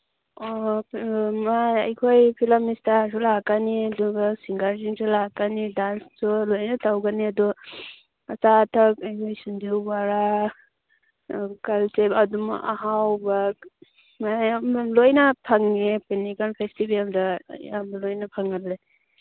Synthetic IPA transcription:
ɔ | majɐjkʰojpʰilamistaɾs̬ulakaniɐdɔɡasiŋɡaɾziŋsulakanidanstulojnɐtawɡaniɐdɔ | ɐsatʰak̚ajkʰojsundiwbaɾa | kalsebɐduma̰ʔaɦawba | majlojnɐpʰaŋnepenikalpʰestibelda̰amlojnɐpʰaŋatle

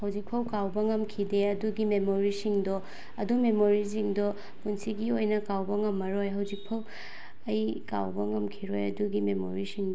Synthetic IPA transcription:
hɐwzik̚pʰɐwkawbɐŋɐmkʰideɐduɡimemoɾisiŋdɔ | ɐdumemoɾis̬iŋdɔ | munsiɡiojnɐkawbɐŋɐmːɐɾojɦɐwzik̚pʰɐw | ɐjka̰wbɐŋɐmkʰiɾojɐduɡimemo̰ɾisiŋd

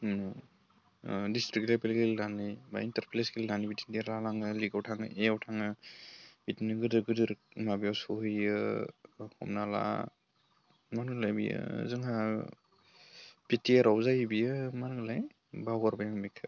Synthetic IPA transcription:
distɾik̚lapelɡelilanɯjba̰intaɾpʰlejsɡelinanibiti̥ndiaɾlalaŋɯliɡawtʰaŋɯ̰ʔeawtʰaŋɯ | b̥itinɯɡɯdɯɡɯdɯɾmabijawsuɦɯjɯ | hɔ̰mnala̰ | manɡlajbḭjɯ̰zɯŋa | b̥itiaɾawzajbijɯmanɡɯlaj | bawɡɔɾbajaŋmikʰɯ

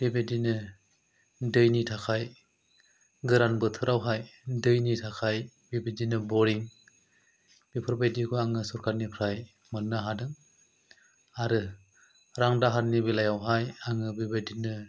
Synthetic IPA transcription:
b̥ibedinɯ | dɯjnitʰakʰaj | ɡɯɾanbɯtʰɯɾawɦajdɯjnitʰakʰaj | bibedinɯbɔɾiŋ | b̥ipʰɯɾbajdikʰuaŋɯsuɾkʰaɾnipʰɾaj | mɯk̚naɦadɯŋ | aɾɯ | ɾaŋdaɦaɾnibilajawɦajaŋɯbibedinɯ

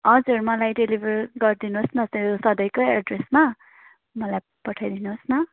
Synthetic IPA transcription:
ʌd͡zuɾmʌlajɖelibʱʌrɡʌrd̪inuɦsnʌsjosʌd̪ʌjkoeɖresma | mʌlaj | pʌʈʰajd̪inuɦsnʌ

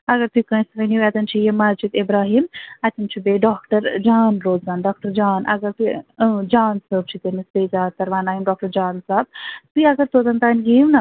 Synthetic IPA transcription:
ɐɡɐɾt̪ukɐ̃j̃sɾɐniʋɛt̪ɐnt͡ʃʰijemaːzd͡ʒid̪ibɾaːɦiːmɐt̪ʲint͡ʃʰibeːɖaːk̚ʈɐɾd͡ʒaːnɾoːzzaːnɖaːk̚ʈɐɾd͡ʒaːnɐ̰ɡɐɾt̪ud͡ʒaːnsəːb̚t͡ʃʰit̪emisteːzaːt̪ːɐɾʋaːnaːjimɖaːk̚ʈɐɾd͡ʒaːnsaːb̚t̪uɐɡɐɾt̪oːd̪ɐnt̪aːnɡiːwnɐ

